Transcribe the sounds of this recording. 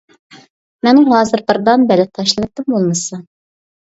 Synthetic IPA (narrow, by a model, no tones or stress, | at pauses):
mɛnɪŋɦɑːzɨɾbɨɾd̪ɑnbɛlɪt̪ʰːɑʃlˠɨnɨt̪ːɨmbolˠmɨsɑ